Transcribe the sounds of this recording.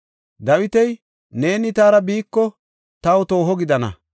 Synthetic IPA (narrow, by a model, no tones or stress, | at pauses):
d̪ɐwɪt̪ɛj | ne̞ːnɪt̪aːɾɐbiːkːɔ | t̪ɐwt̪o̞ːɦɔɡɪd̪ɐnɐ̰